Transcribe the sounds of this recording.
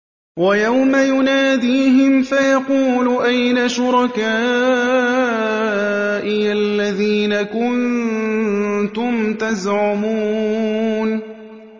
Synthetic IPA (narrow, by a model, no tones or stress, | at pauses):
wajawmajʊnaːd̪iːɦɪmfajɑquːlʊʔajnaʃʊɾˤɑkaː | ʔɪalːaðiːnakʊn | t̪ʊmt̪azʕʊmu | n